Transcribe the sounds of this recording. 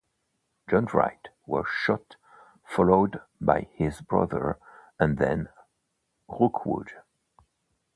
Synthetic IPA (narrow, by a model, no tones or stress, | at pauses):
d̥d͡ʒʌ̃nɹa̰ɪt | wə̰̥˞ʃʌt | fɑloʊdbaɪɪzbɹʌ̰ðə̰˞ə̃nðɨ̰̃n | ɹʊkʰwʊ̰d̥